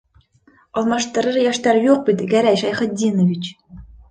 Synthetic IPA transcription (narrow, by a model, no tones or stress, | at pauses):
ɑlˠmɑʂt̪ɤ̆ɾɤɾjæʃt̪æɾjuq̚pʲit̪ʲɡæɾæjʃɑjχɤ̆t̪̚dʲinŏvʲit͡ɕ